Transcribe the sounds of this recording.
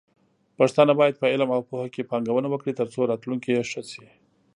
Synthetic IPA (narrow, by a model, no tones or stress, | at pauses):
paʂt̪ɑnabɑjad̪̚pəɪlmawpohakepɑŋɡawənawəkɽit̪əɾt͡soɾɑt̪luŋkijeʂəsi